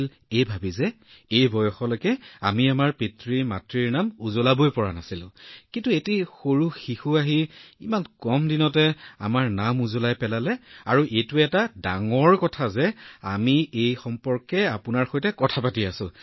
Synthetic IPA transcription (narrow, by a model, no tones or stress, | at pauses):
l | ejbʱabizɛ | ejbɔjɔxɔlojkɛamiamaɹpitɹimatɹiɹnamuzolabojpɔɹanasilʊ̰̃kintuetixoɹuxixuaɦiimankɔmdinɔtɛa̰maɹnamuzolajpɛlalɛaɹuʔejtʊɛtadaŋɔɹkɔtʰazɛa̰miejxɔmpɔɹkɛapʊnaɹxojtɛkɔtʰapatiasʊ̰̃